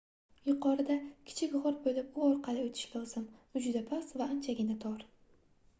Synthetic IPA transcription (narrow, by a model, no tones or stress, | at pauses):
jʊqʰɒɾɪd̪akʲʰɪ̥t͡ʃʰɪkʲʁɒɾbojlapʊɒɾqʰɑlˠɪot̪ʰɪ̥ʃkʲaʊz̥ɪmʊd͡ʒʊd̪apʰasvaːnt͡ʃʰaɡʲɪnɪt̪ʰɒɾ